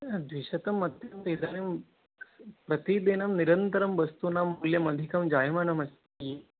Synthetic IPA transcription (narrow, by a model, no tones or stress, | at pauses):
d̪ʋiʃɐt̪ɐmːɐt̪jɐmseːd̪ʱaːnim | pɾɐt̪id̪iːnɐmniɾɐnt̪ɐɾɐmʋɐst̪unaːmuːljɐmɐd̪ʱikɐmd͡ʒaːjɐmɐɳɐmɐst̪i